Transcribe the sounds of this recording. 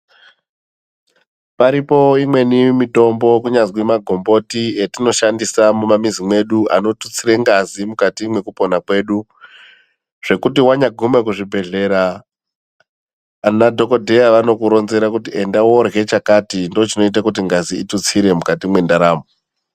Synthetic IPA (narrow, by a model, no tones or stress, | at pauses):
paɾipo̞imwe̞nimito̞mbo̞kuɲazwimaɡʱo̞mbo̞tietino̞ʃandisamumamizimwe̞ɗua̰no̞tut͡siɾeŋɡazimukatimwe̞kupo̞nakwe̞ɗu | ʐ̥e̞kutiwaɲaɡʱume̞k̬uʐibʱe̞ɮe̞ɾa | nadʱo̞ko̞dʱe̞jaʋano̞kuɾo̞nze̞ɾakutie̞ndawo̞rɣe̞t͡ʃakatindot͡ʃino̞it̬akut̬iŋɡaziitut͡siɾe̞mukatimwe̞ndaɾaːmo